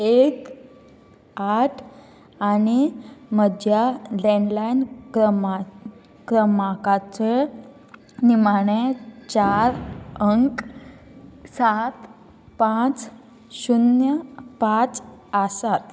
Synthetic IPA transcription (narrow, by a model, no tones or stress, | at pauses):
ek | aʈʰ | animədjaleɳlajnɾəma | kɾəmakat͡se | nimaɳ̃et͡ɕaɾəŋk | sat̪ | pãt͡s | ɕunjəpãt͡səsat̪̚